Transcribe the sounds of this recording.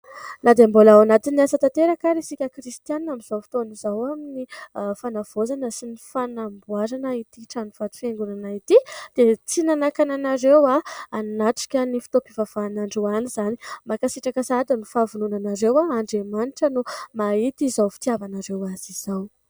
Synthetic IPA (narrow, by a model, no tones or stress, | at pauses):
nad̪embolawanat̪iniasat̪at̪eɾakaɾesikʲəkɾist̪ianamiz̥awfi̥t̪onizawaminifanav̥ozanəsinifanambuaɾanait̪iʈ͡ʂaniv̥at̪u̥feŋɡunanait̪id̪̥et͡sinanakananaɾewaannaʈ͡ʂi̥kʲənifi̥t̪opivav̥aːnaɳɖ͡ʐeanizanimakasiʈ͡ʂakəsad̪anufavununanaɾewaːɳɖ͡ʐemaniʈ͡ʂənumait̪izawfi̥t̪iavanaɾewaziz̥aw